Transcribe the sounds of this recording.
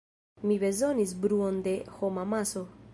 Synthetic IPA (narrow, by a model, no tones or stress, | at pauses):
mibe̞zo̞nis̬bɾuo̞nd̪e̞ho̞mamaso̞